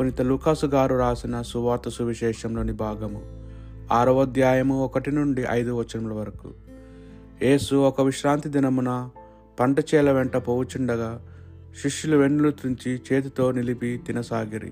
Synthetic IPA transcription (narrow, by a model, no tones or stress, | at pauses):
onit̪ɐluːkaːsuɡaːɾuɾaːsinɐsuʋaːɾt̪ɐsuʋiʃɛːʂɐmlo̞ːnibʱaːɡɐmṵ | aːɾɐʋɐd̪jaːjɐmuɔkɐʈinuɳɖiʔɐ̰jd̪uʋɐt͡ʃːɐnɐmlɐʋɐɾɐkṵ | je̞ːsuɔkɐʋiʃɾaːnt̪id̪inɐmunɐ | pɐɳʈɐt͡ʃɛːlɐʋɛɳʈɐpowut͡ʃuɳɖɐɡaː | ʃiʂjuluʋe̞ɳːulut̪ɾuɲt͡ʃit͡ʃe̞ːt̪ut̪o̞ːnilipit̪inɐsaːɡiɾḭ